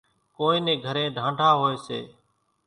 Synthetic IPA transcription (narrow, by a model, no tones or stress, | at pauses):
koːĩːnẽːɡʱəɾẽːɖʱãːɳɖʱaːɦoːeːsḛː